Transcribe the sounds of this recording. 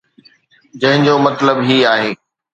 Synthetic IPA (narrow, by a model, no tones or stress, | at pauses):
d͡ʑɐ̃ɦɪ̃ɲd͡ʑomɐt̪ləbɦiaːɦeː